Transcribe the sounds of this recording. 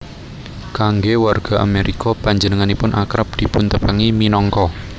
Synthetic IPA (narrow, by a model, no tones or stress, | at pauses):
kaŋɡewarɡ̥a̤ʔa̰meɾʔikɔpaɲd͡ʒənəŋanipʊnʔakɾap̚d̪̥i̤punt̪əpaŋiminɔŋkɔ